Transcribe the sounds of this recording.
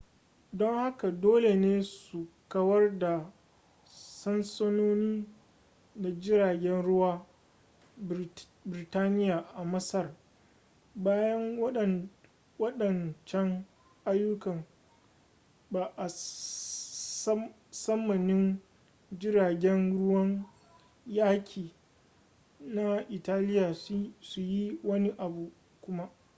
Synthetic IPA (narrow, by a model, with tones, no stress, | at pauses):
dɔ˦ŋha˦ka˨doː˦le˨neː˦su˨kɐ˦wɐ˦rda˨ | sɐ˦nsɐ˦noː˦niː˦ | da˨d͡ʒɪ˦ɾaː˨ɡʲɛ˦nɽʊ˦waː˦ | bɪ˨ɾɪ˨taː˦nɪ˦jaː˨ʔa˨mɐ˦sɐ˦r | baː˦jɐ˦ŋɐ˦ɗ | wɐ˦ɗɐ˨nt͡ʃɛ˦ŋ | ʔa˦jːʊ˦kɐ˨ŋ | baː˨ʔa˨˦ | sɐ˦mːɐ˨nɪ˦n | d͡ʒɪ˦ɾaː˨ɡʲɛ˦nɽʊ˦wɐ˦ŋ | jaː˦kʲʰiː˨ | na˦ʔɪ˨taː˦lɪ˦jaː˨su˨ji˦wɐ˦ni˦ʔa˨bu˨ | kʷʊ˦ma˦ʔ